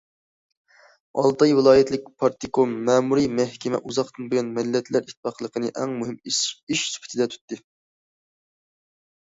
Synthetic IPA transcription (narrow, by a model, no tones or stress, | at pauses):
ɑ̰lˠt̪ɑjvɨlˠɑːjɛt̪ʰlɪk̚ʲpʰɑɾt̪ikomːɛːmuɾimɛhkʲʰɛmɛ̰ʔuzɑqt̪ɨnbojɑnmɪlːɛt̪ʰlæɾit̪ʰːɪ̥fɑqlˠəqʰənɨʔɛŋmuɦɪmiʃsy̥pʰɪ̥t̪ʰɪd̪ɛt̪ʰy̥t̪ːɨ